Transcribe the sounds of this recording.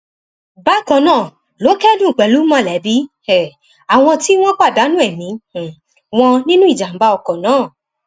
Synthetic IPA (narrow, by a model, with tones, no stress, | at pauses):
ba˦˨kɔ̃˧˨nãː˦˨ | lo˨˦kɛ˦dũ˦˨k͡pɛ˨lu˨˦mã˦˨lɛ˨˦bi˨˦ | ɛ˨ | a˨w̃ɔ̃˧ti˦w̃ɔ̃˦k͡pa˦˨da˨˦nũ˦ɛ˦˨mĩ˨˦˨ | w̃ɔ̃˧nĩ˦nũ˦i˦˨d͡ʒa˨m̩˨˦ba˧ɔ˧kɔ˨nãː˨˦˨